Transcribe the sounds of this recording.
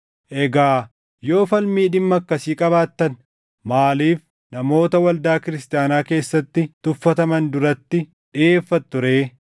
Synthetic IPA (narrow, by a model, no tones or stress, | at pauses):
ʔɛɡaː | jo̞ːfɐlmiːᶑɪmːɐkːɐsiːkʼɐbaːt̪ːɐn | maːliːf | nɐmo̞ːt̪ɐwɐld̪aːkɪɾɪst̪ɪjaːnaːke̞ːsːɐt̪ːɪt̪ʊfːɐt̪ɐmɐnd̪ʊɾɐt̪ːɪ | ᶑɪʔe̞ːfːɐt̪ːʊɾe̞ː